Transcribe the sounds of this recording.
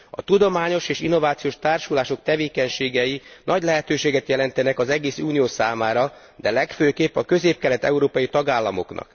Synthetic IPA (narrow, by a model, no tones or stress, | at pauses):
ɒ̰t̪ud̪o̞maːɲo̞ʃeːʃinːo̞vaːt̪sijoːʃt̪aːrʃulaːʃo̞k̚t̪ɛveːkɛɲʃeːɡɛjinʔɒɟlɛɦɛt̪øːʃeːɡɛt̪jɛlɛnt̪ɛnɛkɒzɛɡeːsuːnijoːsaːmaːɾɒ | d̪ɛlɛkføːkeːpːɒkø̞zeːp̚kɛlɛt̪ɛ̰uɾoːpɒjit̪ɒɡaːlːɒmo̞̰knɒ̰k